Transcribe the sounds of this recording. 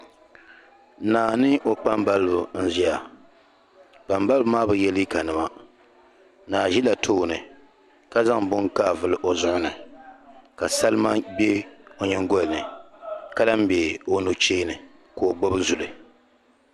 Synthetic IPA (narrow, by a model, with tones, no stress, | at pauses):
naː˨nɨ˦ʔo˨k͡pa˦mba˦lɨ˦bʊ˨n̩˦zi˦a˨ | b̥a˨mba˦lbɨ˦maː˦bɨ˨jɛ˦li˦ka˨nɨ˨ma˦ | naː˨ʒi˦la˨tʰoː˦˨nɨ˨ | ka˦za˦ŋbʊ˦ŋka˦˨vɨ˨lɨ˨ʔo˨zʊ˦ʔʊ˦nɨ˨ | ka˨sa˦lɨ˦ma˦bɛ˦o˨ɲɛ˦ŋ˦ɡo˦lnɨ˨ka˦la˦m˦be˨o˦no˦t͡ʃeː˦nɨ˨ | ko˨ɡ͡bo˦bɨ˦zu˨lɨ˨